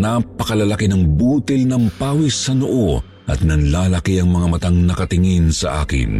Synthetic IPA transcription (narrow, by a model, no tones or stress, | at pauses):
napɐkɐlɐlɐkinɐŋbuːt̪ilnɐmpaːwisɐnoʔo | ʔɐ̰t̪̚nɐnlaːlɐkiɐŋmɐŋamɐt̪aŋnɐkɐt̪ɪŋinsɐ̰ʔa̰ːkɪ̰n